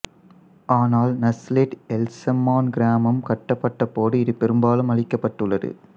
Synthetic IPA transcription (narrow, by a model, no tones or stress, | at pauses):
ʔaːnaːlnɐslɪʈɛlsɐmːaːnɡɪɾaːmɐmkɐʈːɐpːɐʈːɐpːoːɽɯɪðɯpɛɾɯmbaːlɯmɐɭɪkːɐpːɐʈːɯɭːɐðɯ̰